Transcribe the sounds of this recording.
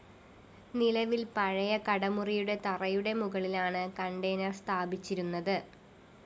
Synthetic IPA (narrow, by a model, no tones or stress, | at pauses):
nilɐʋilpɐɻɐjɐkɐɽɐmurijuɽe̞t̪ɐrɐjuɽe̞muɣɐɭilaːɳɨkɐɳɖejnɐrst̪ʰaːbit͡ɕːiɾunːɐðɨ